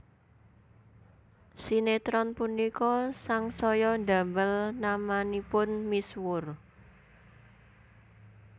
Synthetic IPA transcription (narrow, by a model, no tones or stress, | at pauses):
sinet̪ɾɔnpunikɔsaŋsɔjɔnɖa̤mbəlnamanipʊnmiswʊr